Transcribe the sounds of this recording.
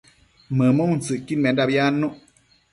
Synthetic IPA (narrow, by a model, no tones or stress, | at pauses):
məːmoŋn̩sɨʔkinmɛndap̚jaːnːuʔ